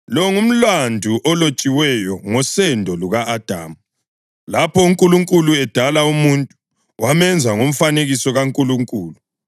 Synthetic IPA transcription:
lɔŋum̩landʱuʔɔlot͡ʃʼiwɛjɔŋɔsɛndʱɔluɣaːd̥ʱa̰ːmu | lapʰɔuŋkʼuluŋkʼuluɛd̥ʱalaumuntʼu̥ | wamɛnd͡zʱaŋom̩faneɣisɔɣaŋkʼuluŋkʼuːlu

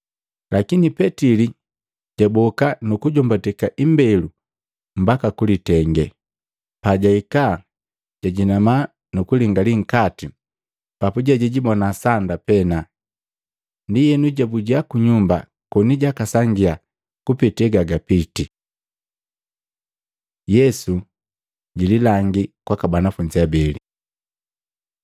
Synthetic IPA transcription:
lʔakinipɛtili | ɟ̥abɔkanukuɟɔmbatɛkaʔimbɛlu | m̩bakakulitɛŋɡɛ | paɟaika | ɟ̥aɟinama | nukuliŋɡaliŋ̩kati | papuɟɛɟɛɟibɔnasandapɛna | ndijɛnuɟabuɟakuɲumba | kɔniɟakasaŋɡia | kupitɛɡaɡapiti | jɛsu | ɟililaŋɡikwakabanafuɲd͡ʒiabɛli

